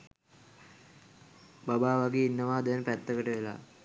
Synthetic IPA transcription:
babaːʋaɡeːinːəʋaːd̪ɛnpæt̪ːəkəʈəʋela̰ː

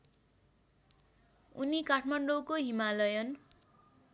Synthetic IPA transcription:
unikaʈʰmaɳɖokoɦimalʌjʌn

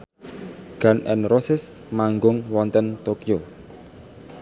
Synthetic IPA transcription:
ɡ̥anʔɛ̰nrosɪs | maŋɡʊŋwɔnt̪ənt̪okio

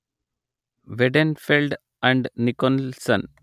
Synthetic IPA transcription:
ʋeɖenfelɖ | æ̃ɳɖnikonsɐ̰̃n

